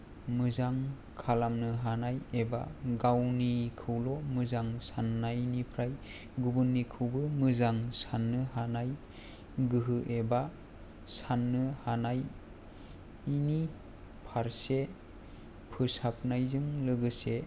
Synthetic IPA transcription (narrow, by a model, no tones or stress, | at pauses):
mɯzaŋ | kʰalamnɯɦanajeba̰ɡawnikʰɯwlɔmɯzaŋsanːajnipʰɾaj | ɡubɯnːikʰɯwbɯmɯzaŋsanːɯɦanaj | ɡɯɦɯʔeba | sanːɯhanaj | ini | pʰaɾse | pʰɯsap̚najzɯŋlɯɡɯse